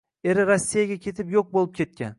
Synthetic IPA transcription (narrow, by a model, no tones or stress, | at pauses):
e̞ɾɪɾasːijaɡʲakʲʰe̞t̪ʰɪpjoq̚bolˠɪp̚kʲʰe̞t̪̚kʲa̰n